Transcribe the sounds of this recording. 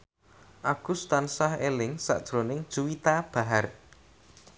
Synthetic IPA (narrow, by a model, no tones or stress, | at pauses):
ʔaɡ̥ust̪ansahelɪŋsa̰ʔd̥ʒ̥ɾonɪŋd̥ʒ̥uwit̪ab̥a̤ɦar